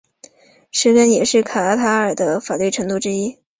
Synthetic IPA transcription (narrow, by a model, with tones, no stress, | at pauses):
ʂɻ̩˥kə˥njɛ˨˩ʂɻ̩˥˩kʰa˨˩a˥˩t̪ʰa˧˥ə˞˨˩d̪ə˦fa˨˩t̪wi˥˩ʈ͡ʂʰɤ˧˥ŋt̪u˥˧ʈ͡ʂɻ̩˥i˥